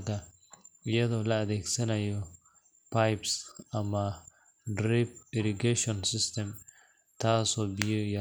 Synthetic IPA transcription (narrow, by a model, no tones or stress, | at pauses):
ɡɐ | jɛðɔlɐːd̪eːɡsɐnɐjːɔ | pajpsʔɐmɐ | dɾib̚ɪɾɪɡɛʃɔnsɪst̪ɛm | t̪ʰaːsɔbɪjɔjɐ